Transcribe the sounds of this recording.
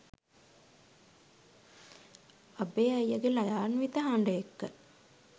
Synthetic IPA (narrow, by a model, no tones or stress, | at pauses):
ɐbeːɐjɐɡelɐjaːnʋit̪əɦaɳɖəjekːə